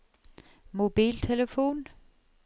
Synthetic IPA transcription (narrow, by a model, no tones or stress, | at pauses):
mo̝b̥ḭːlt͡sʰe̝ləfo̝̰ːn